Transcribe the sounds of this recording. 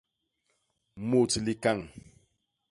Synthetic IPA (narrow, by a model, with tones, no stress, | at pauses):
mo˦˨t͡si˨li˦ka˦˨ŋ